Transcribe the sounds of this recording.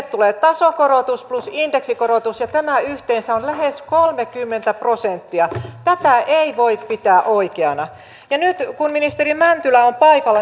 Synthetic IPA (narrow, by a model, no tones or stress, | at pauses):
t̪t̪ːuleːt̪ɑsokoɾot̪usplusindeksikoɾot̪usjɑt̪æmæyht̪eːnsæonlæheskolmekymːent̪æprosent̪ːiɑt̪æt̪æʔeiʋoippit̪æːʔoikeɑnɑ | jɑnyt̪kunminist̪erimænt̪ylæompɑikɑlːɑ